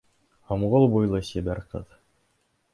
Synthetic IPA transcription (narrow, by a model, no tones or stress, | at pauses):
hŏmʁolˠbujlˠɤsʲibæɾqɤ̰ð